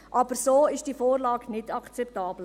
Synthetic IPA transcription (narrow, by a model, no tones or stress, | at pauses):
ʔɑb̥əɾsoːɪʃd̥iːfoːrlɑːɡnɪdɑkt͡sɛptɑːbl̩